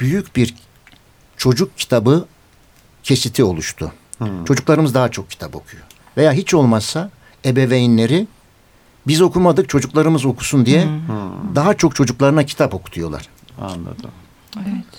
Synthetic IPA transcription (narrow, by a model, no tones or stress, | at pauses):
b̥yjycbiɾ | t͡ʃʰo̞d͡ʒuk̚cʰi̥t̪ʰabɯ | cʰe̞sit̪ʰio̞lˠuʃt̪ʰʊ̰t͡ʃʰo̞d͡ʒuklˠaɾɯmɯzd̪aɦat͡ʃʰo̞k̚cʰːi̥t̪ʰapo̞̰kʰujo̞ | ve̞jaːɦit͡ʃʰo̞lˠmassa | ebe̞vejinlʲe̞ɾi | bizo̞kʰumad̪ɯk̚t͡ʃʰo̞d͡ʒuklˠaɾɯmɯzo̞kʰu̥sund̪ijɛd̪aɦat͡ʃʰo̞k̚t͡ʃʰo̞d͡ʒuklˠaɾɯnacʰi̥t̪ʰapo̞kʰu̥t̪ʰujo̞lˠa̰ɾ̥ | a̰nlˠa̰d̪ɯ̰m | evɛt̪